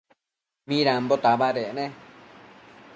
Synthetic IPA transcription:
mĩɾãmbot̪aβaɾeʔnẽ

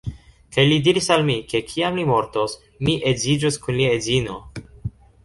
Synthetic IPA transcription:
kajlidiɾisalmikʰe̞kʰiamlimo̞ɾtos | miʔezid͡ʒoskunliaezino̞

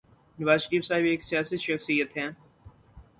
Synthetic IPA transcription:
nɐʋaːzʃəɾiːfsaːɦɪbeːksijaːsiʃɐxsijət̪ɦɛ̃ː

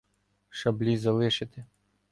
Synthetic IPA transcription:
ʃɐblʲizɐlˠɪʃɪt̪ɪ

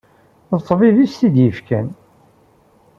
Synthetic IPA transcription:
θət̪ˤːviðist̪id̪jəfkæn

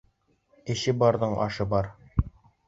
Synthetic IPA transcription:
ɘ̆ɕɘbɒɾðɤɴʔɒ̰ʃɤbɒɾ

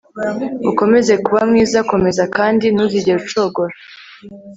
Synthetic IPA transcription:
uko̞me̞ze̞kuβamŋiːzako̞me̞zakaːndinuziɟeɾut͡ʃo̞ːɡo̞ɾa

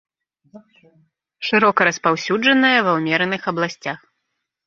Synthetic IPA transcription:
ʂɨɾɔkɐɾɐspawsʲud͡ʐɐnɐjɐvɐwmʲɛɾɐnɨxɐblˠasʲt͡sʲax

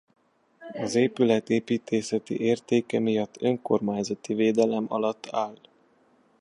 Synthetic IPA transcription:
ɒzeːpylɛt̪eːpiːt̪ʰeːsɛt̪ḭʔeːrt̪eːkɛmijɒt̪ːø̞ŋko̞̰rmaːɲzɒt̪iveːd̪ɛlɛmɒ̰lɒt̪ʰːaːl

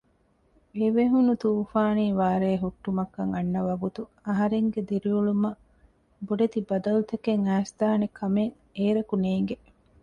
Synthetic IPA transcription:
eʋeɦunut̪uːfaːniːʋaːɾeːɦuʈːumɐkːɐŋɐnːɐʋɐɡut̪u | ɐɦɐɾeŋɡed̪iɾiulumɐ | boɖet̪ibɐd̪ɐlut̪ɐkeŋæːst̪aːnekʰɐmeŋ | eːɾɐkuneːŋ̆ɡe

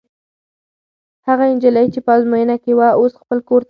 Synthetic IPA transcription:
haɣaɪnd͡ʒaləjt͡ʃepəɑzmojənakewaosxpəlkoɾt̪

